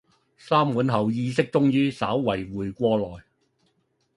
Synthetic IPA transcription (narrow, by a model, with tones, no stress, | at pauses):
saː˥mwuː˨˥nɦɐ˨˩wjiː˧s̬ɪ˥k̚t͡sʊ˥ŋjyː˥saː˨˥wwɐ˨˩jwuː˨˩jkʷɔː˧lɔː˨˩j